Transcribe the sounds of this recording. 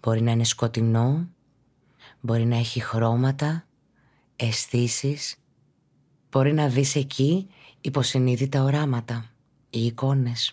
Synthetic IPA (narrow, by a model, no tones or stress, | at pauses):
b̥o̞ɾinɐine̞sko̞t̪ino̞ | bo̞ɾinɐe̞çixɾo̞mɐt̪ɐ | e̞sθisis | b̥o̞ɾinɐðise̞cʰiːpo̞siniðit̪ɐo̞ɾɐmɐt̪ɐ | iːko̞ne̞s